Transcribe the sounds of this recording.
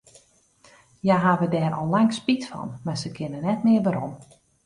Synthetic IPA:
jaɦaːʋədɛːɾɔ̰lˠlaŋspitfɔ̰nmarsəkʰɪnənɛtmɪərʋaɾom

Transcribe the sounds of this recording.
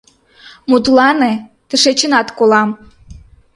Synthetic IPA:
mut̪lɑne | t̪əʃet͡ɕə̆nɑt̪kolɑm

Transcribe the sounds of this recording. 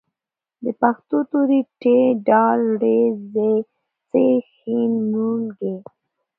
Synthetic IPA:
d̪əpaxt̪ot̪uɾiʈeɖɑlɽeze | t͡sexinːuŋɡe

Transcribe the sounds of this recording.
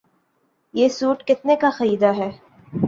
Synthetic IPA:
jeːsuːʈkɪt̪nekaxɐɾiːd̪aɦɛː

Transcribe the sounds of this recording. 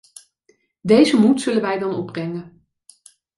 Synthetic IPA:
dejzəmutsɵlənʋɛjdɑnɔbrɛŋə

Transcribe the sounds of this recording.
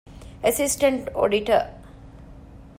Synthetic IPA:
əsisʈəɳʈo̰ːɖiʈə̰

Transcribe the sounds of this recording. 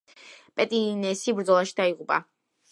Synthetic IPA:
pʼɛt̪ʼinɛsibɾd̪zɔlˠaʃi̥d̪aiʁupʼa̰

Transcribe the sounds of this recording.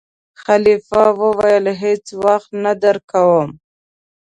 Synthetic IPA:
xalifawəwajəlɦet͡swaxt̪nad̪aɾkawəm

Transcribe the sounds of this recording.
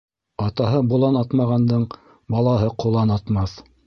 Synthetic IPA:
ɑt̪ɑɦɤbulˠɑnɑt̪mɑʁɑnd̪ɤɴ | bɑlˠɑɦɤqulˠɑnɑt̪mɑθ

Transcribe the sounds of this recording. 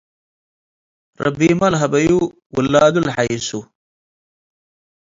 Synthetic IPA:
ɾɐ̰bimɐlɦɐbɐju | wulːaːd̪ulħaisu

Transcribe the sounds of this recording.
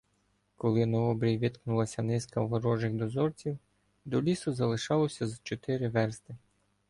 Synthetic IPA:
kɔlˠɪnɔɔbɾʲijʋʲit̪knʊlˠɐsʲɐnɪskɐʋɔɾɔʒɪxd̪ɔzɔrt͡sʲiw | d̪ɔlʲisʊzɐlˠɪʃɑlˠɔsʲɐzt͡ʃɔt̪ɪɾɪʋɛrst̪ɪ

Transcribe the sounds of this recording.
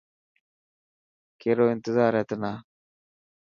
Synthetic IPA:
keɾoːɪnt̪ɪzaːɾet̪ənaː

